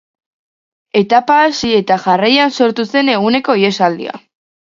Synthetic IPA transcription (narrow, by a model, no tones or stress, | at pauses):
e̞t̪apaːsie̞t̪aʝarajanso̞ɾt̪use̞ne̞ɣune̞ko̞ie̞sald̪ḭa̰